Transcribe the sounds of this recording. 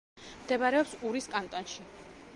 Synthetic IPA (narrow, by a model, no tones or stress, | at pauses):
md̪ɛbaɾɛɔpsuɾiskʼant̪ʼɔnʃi